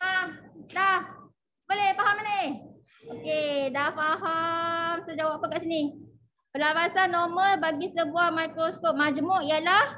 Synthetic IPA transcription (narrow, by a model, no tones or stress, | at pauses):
adah | bolehfaɦamane | okedafaɦamsəd͡ʒawappːakaʔsini | pəlapasanːɔməlbaɡisəbuahmajkɾoskɔp̚mad͡ʒmʊʔijalah